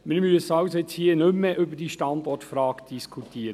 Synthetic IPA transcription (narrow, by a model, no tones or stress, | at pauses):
mɪɾmyəsɑʊsojɛt͡shiːənʏmːəʔʏbəd̥iːʃtɑnd̥ɔtfɾɑːɡd̥iskʰutʰiːɾə